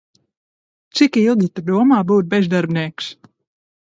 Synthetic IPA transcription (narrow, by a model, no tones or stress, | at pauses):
t͡sikilˠɡ̪ʲit̪əd̪uəmaːbuːt̪̚bɛzd̪aɾbniːks